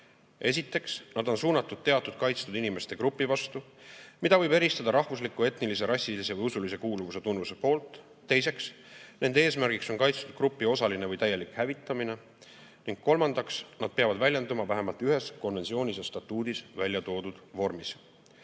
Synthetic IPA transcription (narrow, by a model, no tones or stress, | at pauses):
e̞s̬ʲit̪ːˑe̞ksnɑd̪o̞nsuːnɑt̪ːˑud̪̥̚t̪e̞ɑt̪ːˑud̪̥̚kɑjt̪st̪ud̪inime̞st̪e̞kɾupːˑivɑst̪u | mid̪̥ɑvɤjbe̞ɾist̪ɑd̪ɑɾɑhvuslikːˑue̞t̪nilis̬e̞ɾɑsʲːilise̞vɯjusulise̞kuːluvuse̞t̪unːvuse̞po̞ːlt̪ˑː | e̞js̬e̞ks | ne̞nd̪eeːsmæɾɡ̥ikso̞nkɑjt̪st̪ud̪̥krupːio̞sɑline̞vɤjt̪æjːe̞likhævit̪ːˑɑmine̞ | niŋɡ̥̚ko̞lmɑnd̪̥ɑksnɑd̪̥̚pe̞ɑvɑd̪vælʲjend̪umɑvæɦe̞mɑlt̪yɦe̞sko̞nve̞nsio̞ːnʲisesːt̪ɑt̪ːˑuːd̪isvælʲjɑt̪o̞ːd̪ud̪̥vo̞rmis